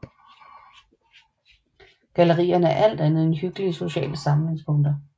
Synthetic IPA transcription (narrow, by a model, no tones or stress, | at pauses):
ɡ̥æləʁḭːɐnəæɐʔæl̰d̥ænð̞̩ˠenhyɡ̥əliəso̝ɕɛ̰ːləsɑ̈mn̩e̝ŋspʰɔ̽ŋd̥ɐ